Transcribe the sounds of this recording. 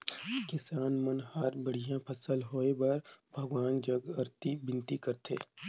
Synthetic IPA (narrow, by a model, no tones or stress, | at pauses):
kɪsaːnmɐnhaːɾbɐɽ̤ijãpʰɐsəlɦoːebaɾbʱɐɡʋaːnd͡ʒɐɡɐɾt̪ibɪ̃nt̪ikɐɾt̪ʰḛː